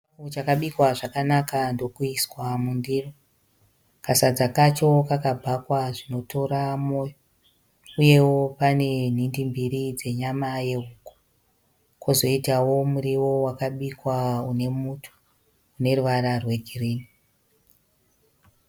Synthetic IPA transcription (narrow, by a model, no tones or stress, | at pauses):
ut͡ʃakaɓikwaʐakanakando̞kuiswamundiro | kasad͡zakat͡ʃo̞kakabʱakwaʐino̞to̞ɾamo̞ːjo | uje̞wopane̞n̤indimbiɾid͡ze̞ɲamaje̞uːku̥ | kozo̞itawo̞muɾiwo̞wakaɓikwaune̞mutʰu̥ | une̞ruʋaɾarwe̞ɡʱiriːni